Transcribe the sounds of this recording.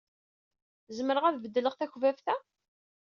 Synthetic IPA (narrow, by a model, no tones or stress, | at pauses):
zəməɾəʁæðvəd̪ːələʁθæçvæfθæ